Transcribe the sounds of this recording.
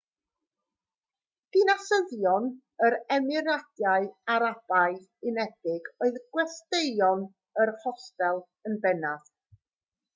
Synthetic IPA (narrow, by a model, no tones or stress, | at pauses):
d̥inasəðjɔn | əɾɛmɪɾad̥jaɨaɾab̥aɨ | ɪnɛd̥ɪɡoɨðɡwɛsteɨɔn | ərhɔstɛlˠ | ənbɛnað